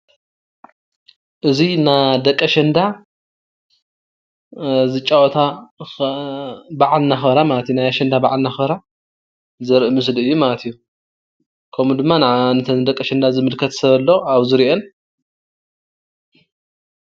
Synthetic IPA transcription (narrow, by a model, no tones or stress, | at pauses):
ʔɨzinad̪ɐkʼːɐʃɐnd̪a | zɨt͡ʃʼawɔt̪ʰa | baʕalnaxbɐɾamalɐt̪ijunajaʃɐnd̪abaʕalnaxbɐɾa | zɐɾʔɨmɨs̬lɨjːumalɐt̪ʰijːu | kʰɐmud̪ɨmːanaʕnɨt̪ʰɐnd̪ɐkʼːɐʃɐnd̪azɨmɨlkʰɐt̪sɐβɐlːo̞aβzɨɾiʔon